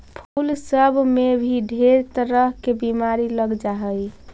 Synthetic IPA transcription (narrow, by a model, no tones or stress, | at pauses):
pʰulsəbʱmebʱiɖʱeɾt̪əɾəɦkebimaɾiləɡd͡ʒaɦəj